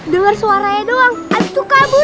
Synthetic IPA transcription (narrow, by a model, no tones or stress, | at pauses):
dəŋarsuaɾajadoaŋant̪ukabu